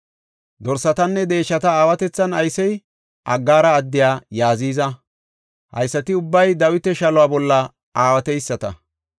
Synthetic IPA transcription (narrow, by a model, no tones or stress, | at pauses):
d̪ɔɾsɐt̪ɐnːɛd̪e̞ːʃːɐt̪ɐaːwɐt̪ɛt͡sːɐnɐjsɛj | ʔɐɡːaːɾɐːd̪ːɪjaːjaːziːzɐ | hɐ̰jsːɐt̪ɪʊbːɐjd̪ɐwɪt̪ɛʃɐlʊwaːbɔlːɐ | ʔaːwɐt̪ɛjsːɐt̪ɐ̰